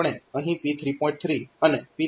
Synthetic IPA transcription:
ɳ̃eə̃ɦĩpit̪ʰɾipɔ̃ɪĩɳʈ̚t̪ʰɾiənepi

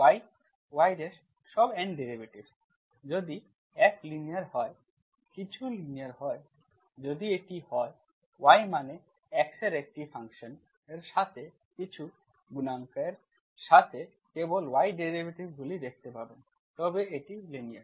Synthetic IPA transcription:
waj | wajɾes | ʃɔbɛɳɖeɾibʱeʈib | d͡ʑod̪i | ɛklinijaɾhɔe | kit͡ɕʰuliniaɾɦɔe | d͡ʑod̪ieʈihɔe | wajmane | ɛkseɾek̚ʈifʰaŋkʃon | eɾʃat̪ʰe | kit͡ɕʰu | ɡunaŋkaeɾ | ʃat̪ʰe | kebolwajɖeɾibʱeʈibɡulid̪ek̚ʰt̪epaben | t̪ɔbeeʈiliniaɾ

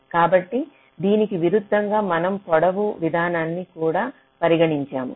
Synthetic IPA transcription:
kaːbɐʈːi | d̪iːnikiʋiɾud̪ʱːɐŋɡaːmɐnɐmpɔɽɐʋuʋid̪ʱaːnaːnːikuːɽaː | pɐɾiɡɐɽiɲt͡ʃaːmṵ

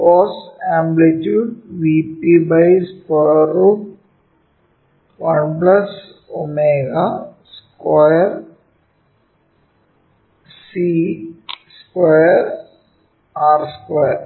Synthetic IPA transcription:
ɔːsɛ̃ːmblet͡ʃuːɖʋipibaɪskɔjəɾuːʈ | ʋɐnplɐs | omeːɡaskɔjəɾ | si | skwɔjəɾ | aːɾskajəɾ

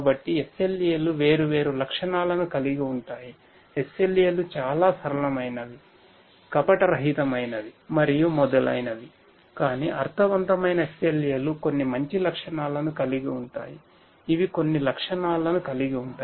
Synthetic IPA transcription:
abɐʈːiesːeleːluʋe̞ːɾuʋe̞ːɾulɐkʂɐɳaːlɐnukɐliɡiuɳʈaːji | ese̞leːlut͡ʃaːlaːsɐɾɐlɐmɐjnɐʋ̪i | kɐpɐʈɐɾɐɦit̪ɐmɐjnɐd̪imɐɾijumɔd̪ɐlɐ̰jnɐd̪i | kaːniʔɐɾt̪ʰɐʋɐnt̪ɐmɐjnɐeseleːluko̞nːimɐɲt͡ʃilɐkʂɐɳaːlɐnukɐliɡiuɳʈa̰ːji | iʋiko̞nːilɐkʂɐɳaːlɐnukɐliɡiuɳʈaː

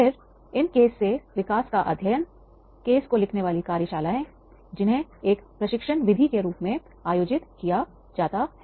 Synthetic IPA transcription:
pʰɪɾ | ɪnkeːsːeʋɪkaːskaʔɐ̰d̪ʱjəən | keːskolɪkʰneʋaːlikaːɾjəʃaːlaːẽ | d͡ʒɪnɦẽeːkpɾɐʃɪkʃənʋɪd̪ʱikeɾuːpmẽ | aːjoːd͡ʒɪt̪kija | d͡ʒaːt̪aɦɛ

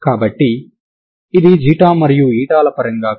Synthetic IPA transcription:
kaːbɐʈːiː | d̪id͡ʒiːʈaːmɐɾijuiːʈaːlɐpɐɾɐŋɡaː

